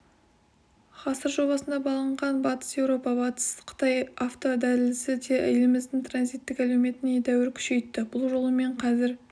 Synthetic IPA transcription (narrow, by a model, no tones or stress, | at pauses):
χɑsəɾʒo̞bɑsənd̪ɑbɑlˠəɴʁɑnbɑt̪ə̥sje̞wɾo̞pɑbɑt̪ə̥sqʰə̥t̪ɑjɑft̪o̞d̪ælɪlsɪd̪e̞ʔɪ̰jlɪmɪzd̪ɪŋt̪ʰranzijt̪ːɪkælewme̞t̪ɪned̪æwɪɾkʲʰʏ̥ʃe̞jt̪ːɪbʊlˠʒo̞lˠəme̞ɴqʰɑzɪɾ